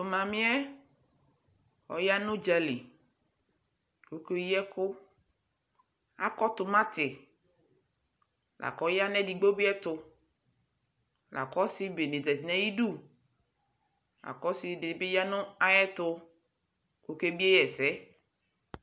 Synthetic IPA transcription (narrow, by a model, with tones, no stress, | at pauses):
o˨mã˨mɪ̃˦ɛ˦ | ɔ̰˨ja˦nʊ̃˦d͡ʒa˨lḭ˨ | ko˦ke˦jɛ˦kʊ˦ | a˦kɔ˦t̪ʊ˨mã˦t̪ɪ˨ | lʔa̰˨kɔ˨˦ja˦nɛ̃˦di˨ɡ͡bo˦bi˦ɛ˦t̪ʊ˨ | la̰˨kɔ˦si˦be˨ne˨dɛ˨ti˨nɛ̃˦ji˦ɖu˦˨ | la̰˨kɔ˦si˨dɪ˨be˦ja˦nʊ̃˦a˦jɛ˦t̪ʊ˧ | ko˨ke˦bi˦ɛ˦jɛ˨sɛ˦